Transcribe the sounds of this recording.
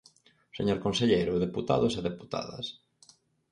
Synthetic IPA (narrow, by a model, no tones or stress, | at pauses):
seɲoɾkonseʎejɾʊðeput̪a̰ðʊseðepu̥t̪a̰ðɐ̰s